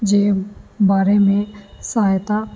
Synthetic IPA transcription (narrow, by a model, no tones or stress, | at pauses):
d͡ʒeːbaːɾemẽsajt̪a